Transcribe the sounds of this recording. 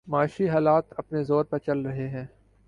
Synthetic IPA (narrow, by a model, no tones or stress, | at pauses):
maːʃiɦaːlaːt̪ɐpnezoːɾpɐɾt͡ʃɐlɾɐɦeɦɛ̃ː